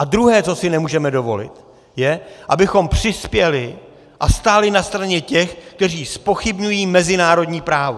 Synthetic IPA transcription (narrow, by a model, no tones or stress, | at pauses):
ʔad̪ɾuɦɛːt͡so̞sɪnɛmuːʒɛmɛdo̞vo̞̰lɪ̰t̪ | jɛʔabɪxo̞mpr̝̥ɪspjɛlɪ | ʔast̪aːlɪnast̪ɾaɲɛcɛxk̚t̪ɛr̝iːspo̞xɪbɲujiːmɛzɪnaːɾo̞dɲiːpɾaːvo